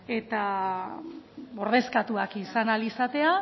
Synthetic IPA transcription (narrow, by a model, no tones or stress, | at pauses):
e̞t̪a | o̞ɾð̞e̞skat̪uakisanalisat̪e̞a